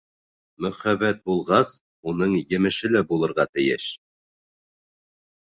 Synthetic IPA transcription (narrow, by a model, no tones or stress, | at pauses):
mɵ̆χæβæt̪̚bulˠʁɑs | unɤɴjɘ̆mɘ̆ʃɘlæbulˠɤ̆ɾʁɑt̪ɘ̆jɘʃ